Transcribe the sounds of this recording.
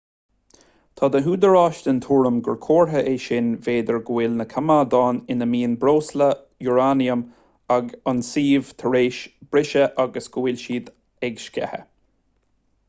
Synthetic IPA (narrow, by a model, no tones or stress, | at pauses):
t̪ʰɑːd̪əɦuːd̪əɹɑːʃtənt̪ʰuːɹəmɡəɹkʰoːɹɦəʔeːʃɪnveːd̪əɹɡwɪːlnəkʰamad̪ɑːnɪnəmiːnbɾoːslə | juɹaːniəm | aɡansiːv̥t̪ʰəɹeːʃb̥ɾɪʃəʔaɡəsɡ̥uwɪlʃiːd̪ | ɛɡʃkɛ̰hə̰